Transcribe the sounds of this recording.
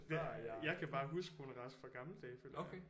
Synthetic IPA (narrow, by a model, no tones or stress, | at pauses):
d̥ejɑ̈ɪkʰæb̥ɑ̈ːɦusɡ̥ʰonəʁɑsfɒ̽ɡ̥ɑ̈ml̩əd̥ɛːføl̰jk